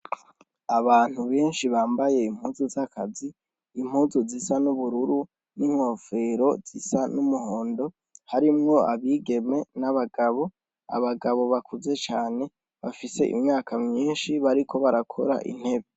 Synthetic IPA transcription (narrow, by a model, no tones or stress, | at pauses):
aβaːn̥uβeːnʃiβaːmbaje̞im̥huːzuzakʰaziː | m̥huːzuzisanuβuɾuɾu | niŋ̥ho̞ːfe̞ɾo̞z̥isanumuho̞ːndo̞ | haɾimŋo̞a̰βiːɡe̞me̞naβaɡaβo̞ | a̰βaɡaβo̞βakʰuze̞t͡ʃaːne̞ | βafise̞̰ʔḭmɲaːkʰamɲiːnʃiβaɾikʰo̞βaɾakʰo̞ɾa̰ʔḭn̥he̞βe